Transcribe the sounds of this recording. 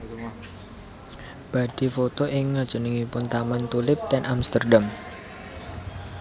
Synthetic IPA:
b̥a̤d̪̥i̤fot̪oʔɪŋːad̥ʒ̥ṳniŋipʊnt̪amant̪ulɪp̚t̪ɛnʔamst̪ərɖam

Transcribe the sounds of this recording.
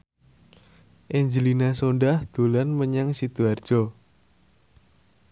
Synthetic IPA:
ʔeɲd͡ʒəlinasonɖahd̪̥ulanməɲaŋsid̪̥uard̥ʒ̥ɔ

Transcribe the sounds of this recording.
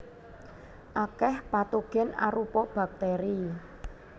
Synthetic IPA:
ʔakɛhpat̪uɡ̥ɛ̤na̰ɾupɔb̥a̤k̚t̪ɛɾi

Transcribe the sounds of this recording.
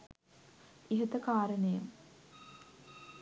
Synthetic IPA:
iɦət̪əkaːɾənejəm

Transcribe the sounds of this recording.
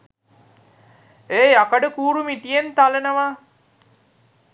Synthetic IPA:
eːakəɖəkuːɾumiʈijent̪alenəʋaː

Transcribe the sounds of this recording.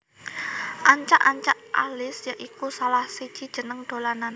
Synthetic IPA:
ʔaɲt͡ʃa̰ʔaɲt͡ʃaʔʔa̰lɪsjaʔikusalahsi̥t͡ʃid̥ʒ̥ə̤nəŋd̪̥o̤lanan

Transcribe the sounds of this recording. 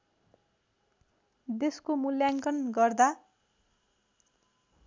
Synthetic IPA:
d̪eskomuljaŋkʌnɡʌrd̪a

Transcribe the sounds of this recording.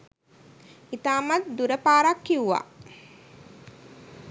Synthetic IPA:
it̪aːmat̪̚d̪uɾəpaːɾakːiuʋa̰

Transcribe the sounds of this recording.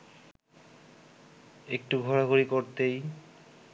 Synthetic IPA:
ek̚ʈuɡʱɔɾaɡʱuɾikoɾt̪ej

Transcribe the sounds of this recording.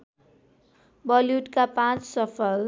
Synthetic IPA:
bʌljuʈkapãt͡ssʌpʰʌl

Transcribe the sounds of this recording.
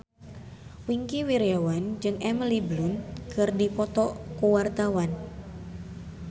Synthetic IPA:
wiŋkiwiɾeawand͡ʒɨŋɛmliblunkɨrdipɔt̪ɔkuwart̪awan

